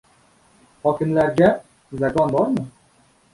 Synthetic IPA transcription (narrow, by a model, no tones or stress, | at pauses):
hɒːkʲʰɪmlæɾɡʲæ | zakɒnbɒɾmʊ